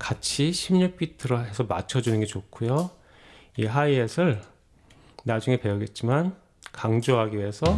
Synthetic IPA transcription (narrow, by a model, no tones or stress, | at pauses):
kat͡ɕʰiɕʰimɲup͈itʰɯɾʌɦe̞sʰʌma̰t͡ɕʰʌd͡ʑunɯnɡe̞t͡ɕokʰujo | iɦaiesʰɯɭ | nad͡ʑuŋe̞pe̞ʌɡe̞t̚t͡ɕ͈iman | kaŋd͡ʑoɦaɡiɥiesʰʌ